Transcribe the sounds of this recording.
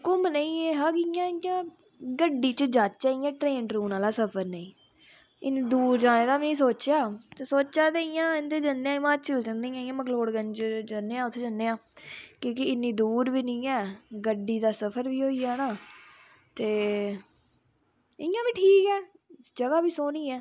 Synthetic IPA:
kʊmnəĩːɛːɦãːkɪjãːɪjãː | ɡəɖiːt͡ʃəd͡ʒaːt͡ʃt͡ʃaːiːɛ̃ːʈɾeːɳʈɾuːnaːlaːsəpʰəɾnẽĩː | ɪniːd̪uːɾd͡ʒaːnẽːd̪aːʋnĩːsoːt͡ʃjaːt̪esoːt͡ʃaːt̪eɪjãːɪnd̪eːd͡ʒənːeãːɪmãːt͡ʃəlt͡ʃənẽːãːɪjãːməkloːɽɡənd͡ʒd͡ʒənːeːãːʊt̪ʰːeːd͡ʒənːeːãːkõːkɪɪnːĩːd̪uːɾʋiːnĩːɛːɡəɖiːd̪aːsəpʰəɾʋiːɦoːiːaːnaː | t̪eː | ɪjãːʋiːʈʰiːkɛː | d͡ʒəɡaːʋiːsoːniːɛː

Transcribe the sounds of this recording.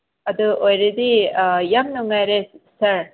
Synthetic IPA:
ɐd̪uojɾid̪ijɐmnuŋajɾesɐɾ

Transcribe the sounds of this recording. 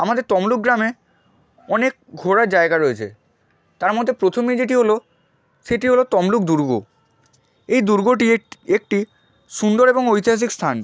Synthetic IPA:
amad̪eɾt̪ɔmluk̚ɡɾame | ɔnek̚ɡʱoɾaɾd͡ʑaeɡaɾoet͡ɕʰḛ | t̪aɾmɔd̪ʱːepɾot̪ʰomid͡ʑeʈiɦolo | ʃeʈiɦolot̪ɔmluk̚d̪uɾɡo̰ | ejd̪uɾɡoʈiek̚ʈi | ʃund̪oɾeboŋojt̪iɦas̬ikst̪ʰan

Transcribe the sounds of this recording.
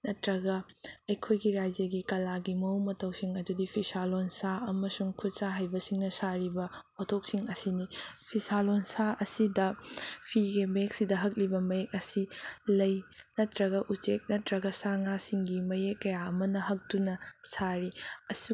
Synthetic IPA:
nɐtɾɐɡɐ | ɐjkʰojɡiɾajzjɐɡikɐlaɡimɐwmɐtʰɐwsiŋɐdudipʰisalonsaɐmɐsuŋkʰut̚saɦajbɐsiŋnɐsaɾibɐpotʰok̚siŋɐsinipʰisalonsaɐsidɐpʰiɡemɐek̚sidɐɦɐk̚libɐmɐjek̚ɐsilɐjnɐtɾɐɡɐʔut͡ʃek̚nɐtɾɐɡɐsaŋasiŋɡimɐjekːɐjaɐmɐnɐɦɐk̚tunɐsaɾiɐsi

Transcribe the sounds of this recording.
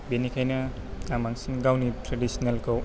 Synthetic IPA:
benikʰajnɐ | ɡamaŋsinɡawnitɾadisnelkʰow

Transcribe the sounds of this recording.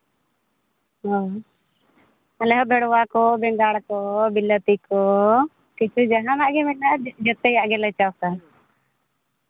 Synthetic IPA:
ɦɔ | alɛɦɔbɛɽwakɔbɛŋɡaːɽkɔbilːət̪ikɔ | kit͡ʃud͡ʒaɦãnaʔɡɛmɛnad͡ʒɛt̪ɛjaʔɡɛlat͡ʃawsa

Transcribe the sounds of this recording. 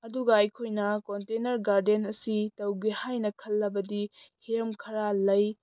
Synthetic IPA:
ɐduɡɐɐjkʰojnɐkontenɐɾɡaɾdenɐsitɐwɡihajnɐkʰɐlːɐbɐdihiɾɐmkʰɐɾalɐj

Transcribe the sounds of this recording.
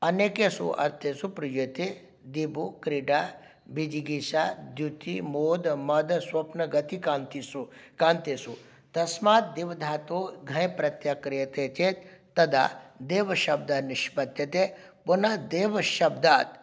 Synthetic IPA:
ɐneːkesṵʔɐ̰ɾt̪ʰeːsupɾijot̪e | d̪ibukɾiɖaː | bid͡ʒiɡiʃad̪jut̪imoːd̪mɐd̪swɐpnɐɡɐt̪ikaːnt̪isukaːnt̪eːsu | t̪ɐsmaːt̪̚d̪iʋɐd̪ʱaːt̪oːɡʱɐ̃jpɾɐt̪jakɾijɐt̪eːt͡ʃeːt̪ː | ɐd̪a̰ːd̪eːʋɐʃɐb̚d̪aniʃbɐt̪jɐt̪eːponad̪eːʋɐʃɐbd̪aːt̪

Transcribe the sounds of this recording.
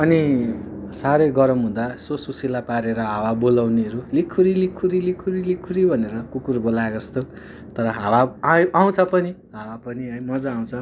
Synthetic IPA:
ʌni | saɾeɡʌɾʌmɦũd̪asosusilapaɾeɾʌɦawabolawneʌɾulikʰːuɾilikʰːuɾilikʰːuɾilikʰːuɾibʱʌneɾʌkukurbolaɡʌst̪o | t̪ʌɾʌɦawaajʔaw̃t͡sʰʌpʌni | ɦawapʌniɦʌjmʌd͡zʌaw̃t͡sʰʌ

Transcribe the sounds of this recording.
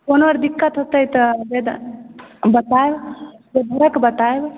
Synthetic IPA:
konəɾd̪ikːət̪ɦot̪əjt̪əbed̪ | bət̪aebd͡ʒed̪ʱəɾəkbət̪aeb

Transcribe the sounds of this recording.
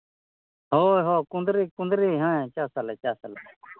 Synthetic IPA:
ɦoːɦoːkʊ̃nd̪ɾiːkʊ̃nd̪ɾiːɦãːẽt͡ʃaːsaleːt͡ʃaːsale

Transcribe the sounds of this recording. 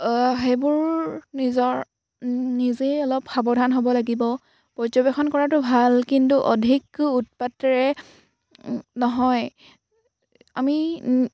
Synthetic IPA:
ɦebʊɹnizɔɹ | nizeɔlɔpxabɔdʱanɦobɔlaɡibɔ | pɹɔzɔbexɔnkɔɹatʊbʱalkintuʔodʱikut̚patɹɛ | nɔɦɔj | a̰mi

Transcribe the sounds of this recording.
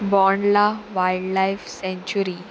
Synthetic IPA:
bɔnlaʋajɖlajfsɛ̃ɲt͡ɕuɾi

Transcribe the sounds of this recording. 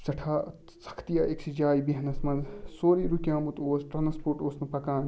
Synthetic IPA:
sɐʈʰaː | sɐ̥kʰt̪ijaːʔiksid͡ʒaːjibiɦɐnɐsmɐnsoːɾiɾukʲjãːmut̪oːsʈɾaːnspoːʈoːsnɐpɐkaːn

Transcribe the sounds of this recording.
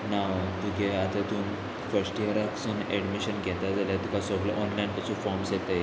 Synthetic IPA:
nad̪ʱuɡʱeat̪et̪uːn | fəɾsʈijəɾaksuːneɽmiɕənɡɛt̪ad͡zaljat̪ikasɔɡləʔɔnlajnpət͡sũːfɔɾmsjet̪əj

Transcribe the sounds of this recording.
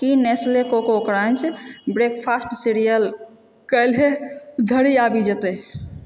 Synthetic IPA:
kineslekokookɾant͡ʃʰbɾekpʰasʈsiɾijəl | kəjlɦed̪ʱəɽiabid͡ʒet̪e

